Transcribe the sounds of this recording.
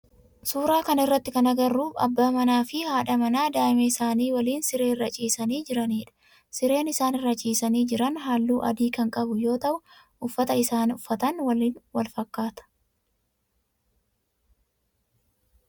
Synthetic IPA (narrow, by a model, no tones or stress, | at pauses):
suːɾaːkɐnɪrːɐt̪ːɪkɐnɐɡɐrːuːɐ̰bːaːmɐnaːfɪhaːᶑɐmɐnaːd̪aːɪmɛɪsaːniːwɐliːnsɪɾeːrːɐt͡ʃʼiːsɐniːd͡ʒɪɾɐniːᶑɐ̥ | sɪɾe̞ːnɪsaːnɪrːɐt͡ʃʼiːsɐniːd͡ʒɪɾɐnɦaːlːuːʔɐ̰d̪iːkɐŋkʼɐbʊjo̞ːt̪ɐʔʊ | ʔʊfːɐt̪ɐɪsaːnʊfːɐt̪ɐnwɐliːnwɐlfɐkːaːt̪ɐ̥